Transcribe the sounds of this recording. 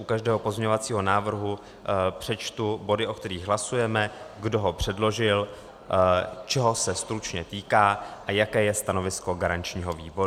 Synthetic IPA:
ʔukaʒdɛːɦo̞po̞zmɲɛɲovat͡siːɦo̞naːvr̩ɦu | pr̝̥ɛt͡ʃt̪ubo̞dɪʔo̞kt̪ɛɾiːɣɦlasujɛmɛɡdo̞ɦo̞pr̝̥ɛdlo̞ʒɪl | t͡ʃɛɦo̞sɛst̪ɾut͡ʃɲɛt̪iːkaːʔajakɛːjɛst̪ano̞vɪsko̞ɡaɾant͡ʃɲiːɦo̞viːbo̞ɾu

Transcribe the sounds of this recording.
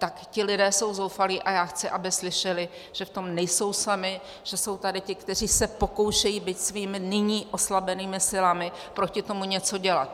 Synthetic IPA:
t̪akcɪlɪdɛːso̞wzowfaliːʔajaːxt͡sɪʔabɪslɪʃɛlɪ | ʒ̥ɛft̪o̞mnɛjso̞wsamɪ | ʒ̥ɛso̞wt̪adɪcɪkt̪ɛr̝iːsɛpo̞ko̞wʃɛjiːbit̪sviːmɪnɪɲiːʔo̞slabɛniːmɪsɪlamɪ | pɾo̞cɪt̪o̞muɲɛt͡so̞ɟɛla̰t̪

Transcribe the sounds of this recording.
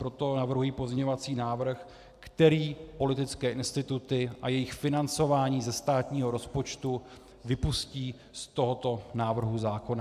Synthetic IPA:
pɾot̪o̞navr̩ɦujiːpo̞zmɲɛɲo̞vat͡siːnaːvr̩x | kt̪ɛɾiːpo̞lɪt̪ɪt͡skɛːʔɪnst̪ɪt̪ut̪ɪʔajɛjɪxfɪnant͡so̞vaːɲiːzɛst̪aːt̪ɲiːɦo̞ɾo̞spo̞t͡ʃt̪u | vɪpusciː | st̪o̞ɦo̞t̪o̞naːvr̩ɦuzaːko̞na

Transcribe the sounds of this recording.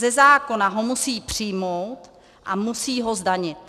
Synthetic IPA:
zɛzaːko̞naɦo̞musiːpr̥ɪjmowt̪ | ʔa̰musiːɦo̞zdaɲɪt̪̚

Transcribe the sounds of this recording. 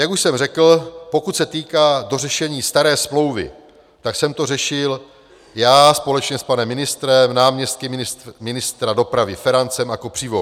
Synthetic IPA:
jakuʃsɛmrɛkl̩po̞kut̪sɛt̪iːkaːdo̞rɛʃɛɲiːst̪aɾɛːsmlo̞wvɪ̰ | t̪aksɛmt̪o̞rɛʃɪl | jaːspo̞lɛt͡ʃɲɛspanɛmːɪnɪst̪ɾɛmnaːmɲɛst̪̚kɪmɪmɪnɪst̪ɾado̞pɾavɪfɛɾant͡sɛmakopr̥iːvo

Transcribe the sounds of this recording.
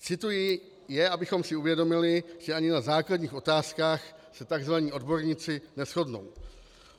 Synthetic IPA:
t͡sɪt̪ujɪ | jɛʔabɪxo̞msɪuvjɛdo̞mɪlɪʒ̥ɛʔaɲɪnazaːkladɲiːxo̞t̪aːskaːxsɛt̪aɡzvaɲiːo̞dbo̞ɾɲɪt͡sɪnɛsxo̞dno̞̰w

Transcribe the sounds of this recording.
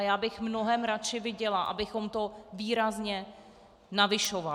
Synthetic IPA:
jaːbɪxmno̞ɦɛmɾat͡ʃɪvɪɟɛlaʔa̰bɪxo̞mt̪o̞viːɾazɲɛ | navɪʃova

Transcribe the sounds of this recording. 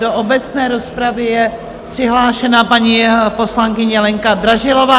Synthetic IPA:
do̞ʔobɛt͡snɛːɾo̞spɾavɪjɛ | pr̥ɪɦlaːʃɛnapaɲipo̞slaŋkɪɲɛlɛŋkad̪ɾaʒɪlo̞vaː

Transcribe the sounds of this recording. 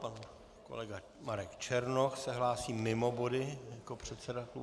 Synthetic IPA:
pan | ko̰lɛɡa | maɾɛkt͡ʃɛɾnoxsɛɦlaːsiːmɪmo̞bo̞dɪjako̞pr̝̥ɛt̪sɛdat̪lu

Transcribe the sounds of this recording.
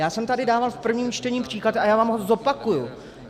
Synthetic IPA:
jaːsɛmt̪adɪdaːvalfpr̩vɲiːmt͡ʃt̪ɛɲiːmpr̝̥iːklat̪ajaːvaːmɦozopakuju

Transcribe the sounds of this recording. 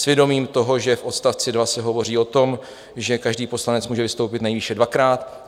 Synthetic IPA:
svjɛdo̞miːmt̪o̞ɦo̞ʒɛfʔo̞t̪st̪aft͡sɪdvasɛɦo̞vo̞riːo̞t̪o̞m | ʒɛkaʒdiːpo̞slanɛt͡smuːʒɛvɪst̪o̞wpɪt̪nɛjviːʃɛdvakɾaːt̪

